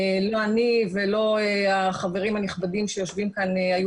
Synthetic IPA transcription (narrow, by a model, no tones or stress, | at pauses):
loanivelo̞eaχaveʁimhaniχbadimʃejoʃvimkaneaju